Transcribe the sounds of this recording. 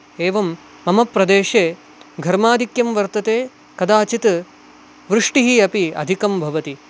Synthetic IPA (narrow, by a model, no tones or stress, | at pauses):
eːʋɐmː | ɐmɐpɾɐd̪eːʂeː | ɡʱɐɾmaːd̪ʱikjɐmʋɐɾt̪ɐt̪eː | kɐd̪aːt͡ʃit̪ | ʋɾɨʂʈiɦiɐpiɐ̰d̪ʱikɐmbʱɐʋɐt̪i